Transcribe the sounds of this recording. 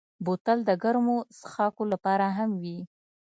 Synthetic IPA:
bot̪ald̪əɡaɾmosxɑkolapɑɾaɦamwi

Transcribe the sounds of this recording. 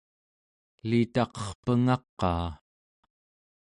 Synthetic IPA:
lit̪ɑqʌ̥χpəŋɑqːɑ̰ː

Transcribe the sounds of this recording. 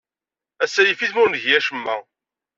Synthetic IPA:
æsːæjifiðmʊɾnʝjæʃəmːæ

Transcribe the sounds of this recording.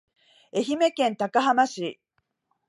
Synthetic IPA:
e̞çime̞kẽ̞nt̪akaɦamaɕi

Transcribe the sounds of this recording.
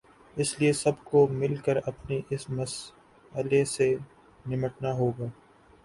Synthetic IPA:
ɪsliesɐbkomɪlkəɾɐpniʔɪsmɐs | əlese | nɪməʈnaɦoːɡaː

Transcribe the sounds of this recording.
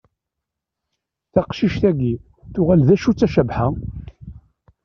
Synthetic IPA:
θæqʃiʃθæɡi | θʊʁælðæʃut͡sːæʃæbħa

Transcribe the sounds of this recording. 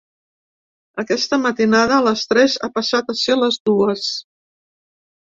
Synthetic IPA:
əkɛst̪əmət̪inaðəːləst̪ɾɛza̰pəsat̪əseləzðuəs

